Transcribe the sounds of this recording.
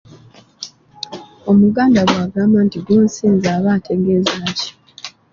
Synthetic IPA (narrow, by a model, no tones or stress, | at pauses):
o̞muɡaːndaɡwaːɡaːmaːntiɡuːnsiːnzaːβaːtʰe̞ɡe̞ːzaːci̥